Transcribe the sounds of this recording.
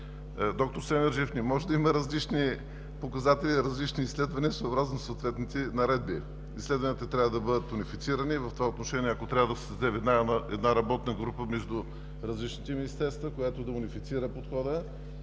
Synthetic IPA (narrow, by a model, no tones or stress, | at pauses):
d̪ɔk̚t̪oɾsɛmʲɛɾʒifnimɔʒɛd̪ɐiməɾɐzlit͡ʃni | pokɐzat̪ɛliɾɐzlit͡ʃniːsːlɛd̪vɐniəsoobɾaznosoːt̪vɛt̪nit̪inɐɾɛd̪̚bi | islɛd̪vɐnit̪ət̪ɾʲavəd̪ɐbɤd̪ət̪ʊnifit̪siɾənivɐft̪ovaot̪noʃɛniɛɐkot̪ɾʲavəd̪ɐszd̪ɛvɛd̪naɛd̪naɾɐbɔt̪nəɡɾupəmɛʒd̪u | ɾɐzlit͡ʃnit̪ɛminist̪ɛɾst̪vəkojat̪od̪ɐʊnifit̪siɾəpot̪xɔd̪ə